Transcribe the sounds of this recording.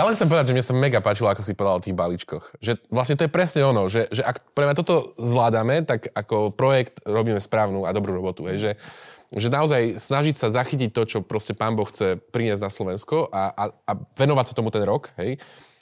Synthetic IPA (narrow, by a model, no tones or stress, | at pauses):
jalɛnxtt͡sɛmpɔʋɛd̪ad͡ʒʒɛmɲɛsamɛɡapaːt͡ʃilɔakɔs̬ipɔd̪alɔt̪iːɣbalit͡ʃkɔxʒɛʋlasɲɛt̪ɔjɛpɾɛsɲɛɔnɔʒɛʒɛʔakpɔlɛamɲat̪ɔt̪ɔzʋlaːd̪amɛt̪akakɔpɾɔjɛkt̪ɾɔbiːmɛspɾaːʊnuad̪ɔbɾuːɾɔbɔt̪uɦɛjʒɛʒɛnaɔzajsnaʒicsazaxicic̚t̪ɔt͡ʃɔpɾɔscɛpaːmbɔxːt͡sɛpɾiɲɪɛzɟ̪naslɔʋɛnskɔʔaʔaaʋɛnɔʋacsat̪ɔmut̪ɛnɾɔkɦɛj